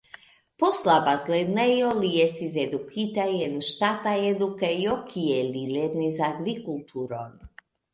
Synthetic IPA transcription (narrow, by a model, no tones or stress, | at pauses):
poslabazled̪nɛjolijest̪ized̪ukʰit̪ajɛnʃt̪at̪aed̪ukɛijokʰiɛliled̪nizaɡɾikult̪ʰuɾon